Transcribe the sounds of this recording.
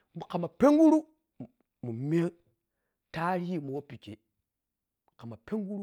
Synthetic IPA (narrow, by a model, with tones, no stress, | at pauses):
m˨ka˨ma˨pe˦ŋɡu˦ɾu˦ | mu˨me˦ŋ | ta˦ɾi˦˨mu˨wo˦pi˨t͡ʃḛ˨ | ka˨ma˨pe˦ŋ˦ɡu˦ɾu˦